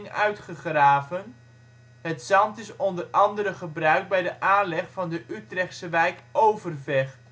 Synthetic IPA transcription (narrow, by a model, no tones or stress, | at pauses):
ŋœ̰ɥtχəχraːvən | ɦətsɑmtɪsɔndərɑndəɾəχəbrœɥk̚bɛjdəʔaːnlɛχfɑndəʔytrɛχtsəʋɛjkʔowvərvɛχ